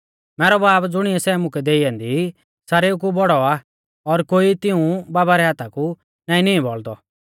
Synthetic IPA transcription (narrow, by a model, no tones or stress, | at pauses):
mɛːɾɔbaːbd͡zʊɽ̃iɛsɛːmʊ̃kɛd̪eːijãːnd̪i | saɾeukubɔɽɔa | ɔɾkoːit̪ɪũbaːbaɾɛɦaːt̪ʰaku | nãːĩniĩbɔld̪ɔ